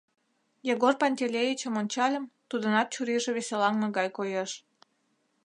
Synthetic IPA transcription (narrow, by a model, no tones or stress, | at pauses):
jeɣorpɑnʲt̪ʲelʲejit͡ɕəmonʲt͡ɕɑlʲəmt̪ud̪ənɑt̪̚t͡ɕuɾiʒĕβesʲelɑŋneɣɑjkojeʃ